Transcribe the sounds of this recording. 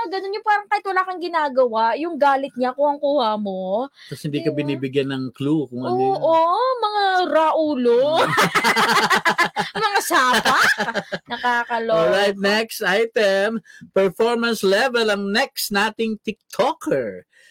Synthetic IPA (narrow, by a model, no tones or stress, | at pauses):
ɡɐnonɲopaːɾɐŋkaːhɪt̪wɐlaːkɐŋɡɪnaːɡɐwajʊŋɡaːlɪt̪̚ɲaʔɐkoɐŋkuːhɐmo | ɐshɪnd̪iːkɐbɪniːbɪɡjɐnɐŋklukʊŋɐoʔomɐŋaɾaʔuːlo | mɐŋasaːpanɐkaːkɐlooɹajt̪̚nɛkst̪ʔajt̪ɛmpɛɹfoɹmɐnslɛvɛlɐŋnɛksnaːt̪ɪŋt̪ɪk̚t̪ʰokɛɹ